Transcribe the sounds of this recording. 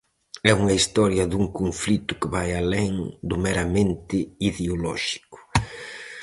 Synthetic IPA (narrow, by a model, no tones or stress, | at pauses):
ɛuŋɐist̪ɔɾjɐðuŋkoɱflit̪ʊkɪβajalɛŋd̪ʊmeɾamẽnt̪ɪiðeolɔ̰ʃi̥kʊ̥